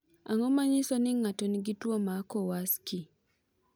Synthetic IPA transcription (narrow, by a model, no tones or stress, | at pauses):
aŋɔmaɲɪsɔnɪŋatɔniɡitwomakɔwaski